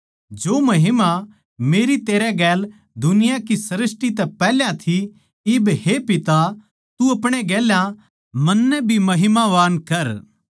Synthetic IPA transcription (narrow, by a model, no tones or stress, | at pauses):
d͡ʒoːmɐɦɪma | meːɾit̪eːɾɛɡɛːl | d̪ʊnɪjakisɐɾɪsʈit̪ɛpɛːljãt̪ʰi | ɪbhepɪt̪a | t̪uɐpɽ̃eɡɛːljã | mɐnːɛbʱimɐɦɪmaʋaːnkɐɾ